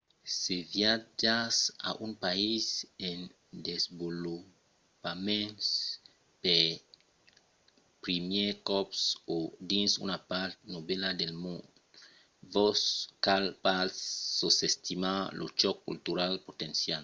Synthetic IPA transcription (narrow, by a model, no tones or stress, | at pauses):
sevjad͡ʒasa̰ʔunpaisen | d̪ezbolu | pamẽns | pe | pɾimjekɔpsod̪insṵnapaɾt̪̚noβelad̪elmũn | voskalpaːosest̪imalot͡ʃɔkːṵlt̪uɾalpot̪ensjal